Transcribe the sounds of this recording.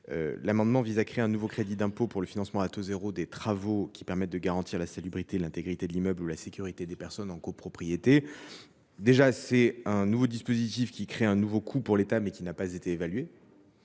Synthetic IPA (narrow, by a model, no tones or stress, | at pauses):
ø̰lamɑ̃d̪mɑ̃vizakχeɛ̃nuvokχed̪id̪ɛ̃popuʁləfinɑ̃smɑ̃at̪ozeʁod̪et̪χavokʲi̥pɛʁmɛt̪̚d̪əɡaʁɑ̃t̪ʰiʁlasalibʁit̪elɛ̃t̪eɡʁit̪ed̪əlimœblulasekʲyʁit̪ed̪epɛʁsɔnɑ̃kopχɔpχijet̪e | d̪eʒasɛɛ̃nuvod̪ispozit̪ifkʲikχeɛ̃nuvokʰupuʁlet̪amɛkʲinapazet̪eːvalɥe